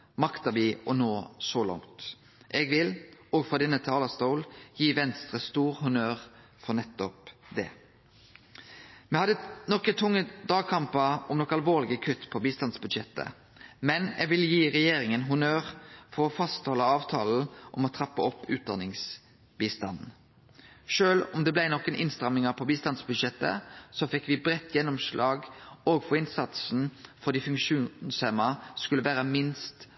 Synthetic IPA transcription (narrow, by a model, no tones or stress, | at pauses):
mɑkt̪ɑbiːʔɔnoːsɔlɔ̰ŋt̪ | ʔɛɡʋɪlɔːɡfɔʁd̪ɛnːət̪ʰɪɑːlɑst̪oʊljiːʋɛnst̪ʁəst̪uːʁhʊnøːʁ | fɔnɛt̪ːɔpd̪ɛ | mɛhɑd̪ənɔkət̪ʰʊŋːəd̪ɑːɡ̚kʰɑmpəɔmnɔkɑlʋoːʁlɪɡəkʰʉt̪ːpʰɔbiːst̪ɑnsbʉd̪ʃɛt̪ːə̰ | mɛnɛɡʋɪljiːʁɛjeːɾɪŋənɦʊnøːʁfɔʁɔfɑst̪hɔləɑːʋt̪ʰɑːl̩ʔɔmɔt̪ʰʁɑpːəɔpːʉ̰ːt̪̚d̪ɑ̰ːnɪŋs | biːst̪ɑnn̩ | ʃøːlɔmd̪ɛblæɪnɔkːənʔɪ̰nst̪ʁɑmːɪŋəpʰɔbiːst̪ɑnsbʉd̪ʃɛt̪ːə̰sɔfɪkːʋɪbʁɛt̪ːjɛnːɔmʂlʔɑːɡoːɡfɔʁɪnsɑt̪sn̩fɔʁd̪iːfʉŋkʃuːnnshɛmɑskʉlːəʋæːʁəmɪnst̪